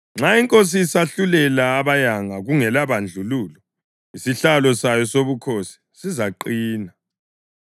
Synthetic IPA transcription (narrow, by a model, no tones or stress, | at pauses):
ŋ͡ǁaiŋkʼos̬isaɬulɛlaːβajaŋaɣuŋɛlaβand͡ɮʱuluːlɔ | isiɬalɔsajɔsoβukʰosi̥ | sizaǃiːna